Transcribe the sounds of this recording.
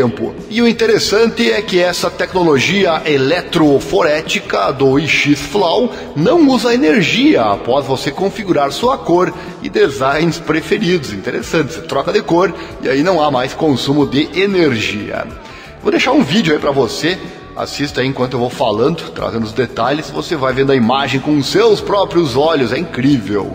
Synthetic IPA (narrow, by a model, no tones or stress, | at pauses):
ẽmpʊ̰ | ɪʊĩnt̪eɾesɐ̃nt̪ɪɛkɪɛsɐt̪ɛknoloʒiɐʔelɛt̪ɾofoɾɛt͡ʃikɐd̪ʊiʃisflaw | nɐ̃w̃uzɐeneɾʒiɐa̰pɔzvosekõfiɡuɾaɾsuɐkoɾ | ɪ̰d̪ezãjnɪspɾefeɾid̪ʊzĩnt̪eɾḛsɐ̃nt̪ɪ̥st̪ɾɔkɐd̪ɪkoɾɪa̰inɐ̃w̃amajskõsũmʊd̪ɪʔeneɾʒiɐ̰ | vod̪eʃaɾũvid͡ʒjʊaipɾɐvose | a̰sist̪ɐiẽkwɐ̃t̪ʊewvowfalɐ̃nd̪ʊt̪ɾa̰zẽnd̪ʊzd̪et̪aʎɪsvosevajvẽd̪ʊɐimaʒẽj̃kõʊsewspɾɔpɾiʊzɔʎʊzɛĩŋkɾivḛw